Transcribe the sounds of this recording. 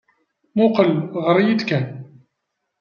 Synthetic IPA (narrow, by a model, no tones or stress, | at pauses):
muqəlʁɾˤijid̪kæn